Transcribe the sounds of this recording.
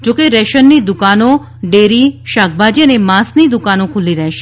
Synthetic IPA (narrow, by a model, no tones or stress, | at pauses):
d͡ʒokeɾɛʃənːid̪ʊkano | ɖeɾiʃak̚ʰbad͡ʒiənemãsnid̪ukanokʰuliɾəɦʃe